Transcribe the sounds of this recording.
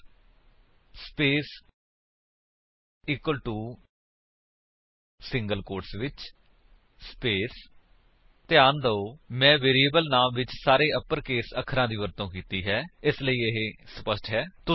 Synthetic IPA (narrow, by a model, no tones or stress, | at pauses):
speːs | iːkwəlʈuː | sɪŋɡəlkoːɾsʋɪt͡ʃ | speːs | t̪ɪjaːnd̪əoːmɛ̃ːʋeːɾiːəːbəlnaːmʋɪt͡ʃsaːɾeːʔəpːəɾkeːsəkʰːəɾãːd̪iːʋəɾt̪õːkiːt̪iːɦɛːɪsləiːɪɦeːsəpəsʈɦɛːt̪ʊ